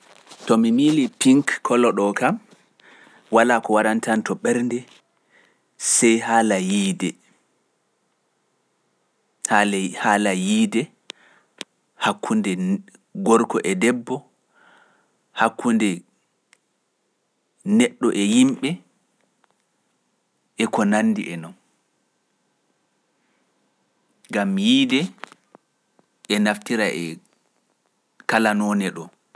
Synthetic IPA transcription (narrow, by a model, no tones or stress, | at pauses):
tɔmimilipiŋkkʰːɔlɔɗɔkam | walaːkɔwaɗantantɔɓɛɾndɛ | sɛjhaːlajiːdɛ | haːlajiːdɛ | hakʰːundɛ | ɡɔɾkɔʔɛdɛbːɔ | hakːundɛ | nɛɗːɔʔɛjimɓɛ | ʔɛkɔnanːdiʔɛnɔn | ɡamjiːdɛ | ʔɛnaftiɾaʔɛ̰ | kalanɔːnɛɗɔ